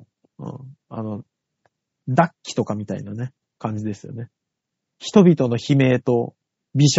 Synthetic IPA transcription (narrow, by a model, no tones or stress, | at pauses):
ɯ̰̃ːɴa̰no̞ | d̪akʲːi̥t̪o̞kamʲit̪aḭnane̞ | kãɲ̟d͡ʑid̪e̞sɨjo̞̰ne̞ | çi̥t̪o̞bʲit̪o̞no̞çime̞ːt̪o̞ | bʲiɕ